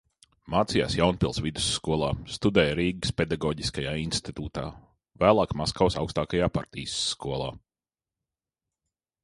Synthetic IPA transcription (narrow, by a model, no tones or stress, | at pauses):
maːt̪sija̰ːsjawnpʲilˠsvid̪u̥sːkuɔlˠaːst̪ud̪ɛːjɾiːɡɨsped̪aɡɔːɟiskajaːinst̪it̪uːt̪a̰ː | væːlˠɑːkmaskawsawkst̪aːkajaːpa̰ɾt̪ḭːsːkuɔlˠa̰ː